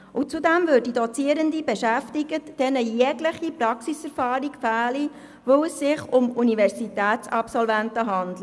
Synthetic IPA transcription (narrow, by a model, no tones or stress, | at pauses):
ʊt͡sudɛmvøːd̚didɔt͡siəɾəndibɛʃæftiɡətd̥ɛnəjɛɡləχiprɑksisɛɾfɑːɾikfæːli | voʊəsːɪχʊmunivɛɾsitæːtt͡sɑpsɔlvæntəɦɑnd̪li